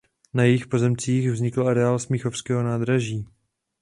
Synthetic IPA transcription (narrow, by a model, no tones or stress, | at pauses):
najɛjɪxpo̞zɛmt͡siːxvzɲɪkl̩aɾɛaːlsmixo̞fskɛːɦo̞naːd̪ɾaʒiː